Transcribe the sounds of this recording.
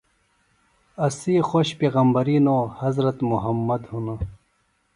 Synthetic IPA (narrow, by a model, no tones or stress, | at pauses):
ɐsiːxoɕpeːɣɐmbɐɾiːnoːhɐzɾɐt̪muɦɐmːɐd̪hunɐ